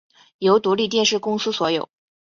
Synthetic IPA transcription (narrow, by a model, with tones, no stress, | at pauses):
jo˧˥ʊt̪u˧˥li˥˩t̪̬jɛ˥˧nʂɻ̩˥˩kʊ˥ŋsɹ̩˥swɔ˧˥jo˨˩˦ʊ